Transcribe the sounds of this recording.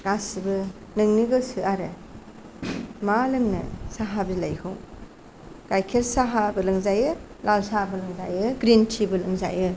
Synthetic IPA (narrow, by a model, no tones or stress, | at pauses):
ɡ̥asibɯ | nɯŋniɡɯsɯaɾe | malɯŋnɯ̰saɦabilajkʰɯw | ɡ̥ajkʰelsaɦabɯlɯŋzajɯ | lalsabɯlɯŋza̰jɯɡɾintʰibɯlɯŋza̰jɯ